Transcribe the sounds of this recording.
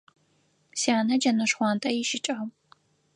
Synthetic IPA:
siaːnɐd͡ʒɐnɐʂχʷɑːntʼɐjɪʃɪt͡ʃʼɐɐm

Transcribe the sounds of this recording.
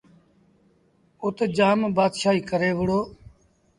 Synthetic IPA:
ʊt̪ːd͡ʒaːmbaːd̪ʃaːiːkəɾeːʋəɽoː

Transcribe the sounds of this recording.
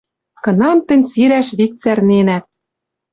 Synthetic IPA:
kɤ̆nɑmt̪ɘ̆nʲsiɾæʃβik̚t͡særnenæt̪̚

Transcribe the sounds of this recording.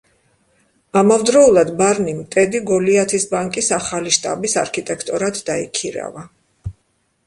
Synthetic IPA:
amavd̪ɾɔulˠad̪baɾnimt̪ʼɛd̪iɡɔliat̪ʰisbaŋkʼisaχaliʃt̪ʼa̰bisa̰ɾkʰit̪ʼɛkʰt̪ʼɔɾat̪ʰd̪aḭkʰiɾa̰va

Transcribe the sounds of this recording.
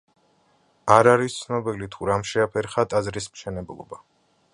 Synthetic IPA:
aɾaɾist̪sʰnɔbilit̪ʰuɾamʃɛapʰɛɾχat̪ʼazɾismʃɛnɛblˠɔ̰ba

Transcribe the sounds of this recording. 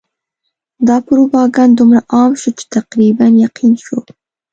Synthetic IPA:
d̪ɑpʊɾobɑɡɑnd̪umɾaʔɑmʃot͡ʃe̥t̪aqɾibanjaqʰinʃo

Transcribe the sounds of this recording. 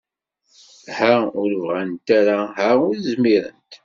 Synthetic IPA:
hæʊɾvʁænt̪aɾaɦæʊɾzmiɾə̰nt̪

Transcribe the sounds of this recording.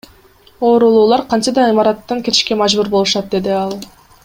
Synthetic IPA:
o̞ːɾulˠuːlˠɑɾqʰɑnt͡ʃɑd̪ɑimɑɾɑt̪ːɑŋkʲe̞t̪ɪ̥ʃke̞mɑʒbuɾbo̞lˠuʃɑt̪̚d̪e̞d̪iɑlˠ

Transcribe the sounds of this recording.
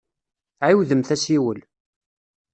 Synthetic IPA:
ʕiwðəmθæsiwəl

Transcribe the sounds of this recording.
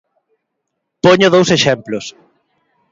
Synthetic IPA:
poɲʊð̞owseʃɛmplʊs

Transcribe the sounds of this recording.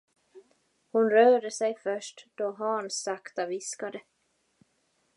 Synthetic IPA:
hʊnɾœːɖəsɛjfœʂʈd̪̥ɔɦɑːnsakt̪avɪskad̪ə

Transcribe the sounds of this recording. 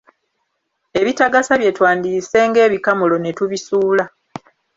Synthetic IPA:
e̞βitaɡasaβje̞twaːndiːse̞ːŋɡe̞ːβikamulo̞ne̞tuβisuːla

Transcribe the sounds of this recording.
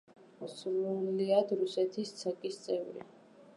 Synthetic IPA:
sɾuliad̪ɾusɛt̪ʰist̪sʰakʼist̪sʼɛvɾḭ

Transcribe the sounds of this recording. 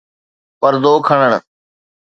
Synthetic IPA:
pəɾd̪oːkʰəɳ̃əɳ̃

